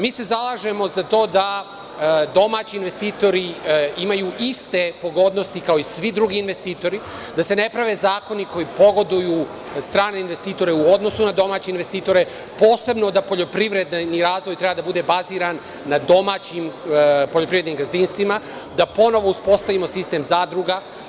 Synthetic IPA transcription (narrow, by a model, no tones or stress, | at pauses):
miːse̞zalˠaːʒemo̞zat̪o̞ːd̪a | d̪o̞maːt͡ɕiːnʋest̪iːt̪o̞ɾiimajuʔist̪e̞po̞ɡo̞d̪nost̪ikao̞isʋid̪ɾuɡiːnʋe̞st̪iːt̪o̞ɾi | d̪ase̞ne̞pɾaʋe̞zaːko̞niko̞jipo̞ɡo̞d̪uju | st̪ɾaːneinʋe̞st̪iːt̪o̞ɾe̞uo̞d̪no̞sunad̪o̞maːt͡ɕeinʋe̞st̪iːt̪o̞ɾe | po̞ːse̞bno̞d̪apo̞ʎo̞pɾiʋɾe̞d̪niɾaːzʋo̞jt̪ɾe̞bad̪abud̪e̞baziːɾanː | ad̪o̞maːt͡ɕimpo̞ʎo̞pɾiʋed̪nimɡazd̪inst̪ʋima | d̪apo̞no̞ʋo̞uspo̞st̪aʋimo̞sist̪e̞ːmzaːd̪ɾuɡa